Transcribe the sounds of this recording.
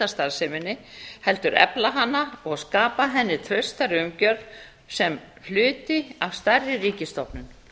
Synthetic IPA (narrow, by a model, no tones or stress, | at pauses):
t̪ast̪aɾsɪmɪnːɪhɛlt̪ʏɾɛ̰plaɦanːaɔɣskaːpaɦɛnːɪt̪ʰɾœɥst̪aɾɪʏmcœɾv | sɛm | h̪ʏːt̪ɪav̥st̪arːɪriːcɪst̪ɔpnʏn